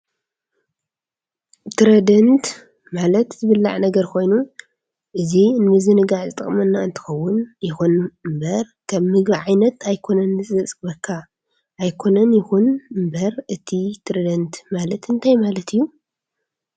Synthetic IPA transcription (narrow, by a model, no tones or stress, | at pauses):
t̪ɾɐd̪ɐnt̪ | malɐt̪zɨβɨlːa̰ʕnɐɡɐɾkʰo̞jnu | ʔɨzinɨmɨzɨnɨɡaʕzɨt̪ʼɨχʼmɐnːaɨ̰nt̪ʰɨ̥xɐwːʊnjɪxunmbɐɾ | kʰɐːɨɡbiʕajnɐt̪ajkʰo̞nɐnːɨzʼɨɨt͡sʼɡbɐkʰːa | ʔːjkʰo̞nɐnjɪxunmbɐɾɨt̪ʰit̪ʰɾɐd̪ɐnt̪ʰmalɐt̪ɨnt̪ʰajmalɐt̪ʰijːu